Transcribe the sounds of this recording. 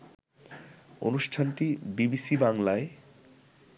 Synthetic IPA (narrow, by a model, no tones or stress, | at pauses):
o̰nuʃʈʰanʈibibisibaŋlae